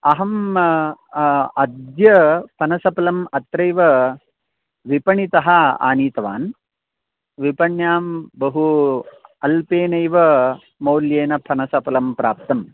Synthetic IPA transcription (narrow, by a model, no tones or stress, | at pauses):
ɐɦɐm | ɐd̪jɐpʰɐnɐsɐpɐlɐmɐt̪ɾɐjʋɐ | ʋipɐɳit̪ɐɦɐa̰ːniːt̪ɐʋa̰ːn | ʋipɐɳjaːmbɐɦu | ɐlpeːnɐjʋɐ | mɐːljeːnɐpʰɐnɐsɐpɐlɐmpɾaːp̚t̪ɐm